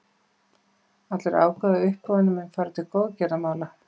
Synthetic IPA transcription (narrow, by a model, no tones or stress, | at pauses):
at̪lɛɾa̰ːwkaðɪʏhpːɔvɪnːʏmɛnfaːɾt̪ɪkoːwðcɛɾamaːla